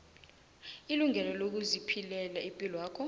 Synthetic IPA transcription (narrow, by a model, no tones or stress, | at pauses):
iluŋʱɛlɔlok̬uzipʰilɛlaimpʼilɔwaːkʰɔ